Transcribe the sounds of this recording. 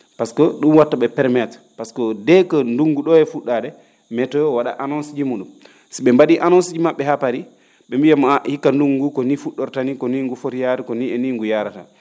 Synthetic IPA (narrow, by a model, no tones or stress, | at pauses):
paskɔɗunwatːaɓɛpɛɾmɛt | paskɔdɛkɔnduŋɡuɗɔɛfuɗːadɛ | mɛtɔjɔwaɗa̰ʔanɔnsid͡ʒimuɗum | siɓɛmbaɗiʔanɔnsid͡ʒimaɓːɛhapaɾi | ɓɛmbijamahikːanduŋɡukɔnifuɗɔɾtanikɔniŋɡufotijaɾikɔniɛniŋɡujaɾata̰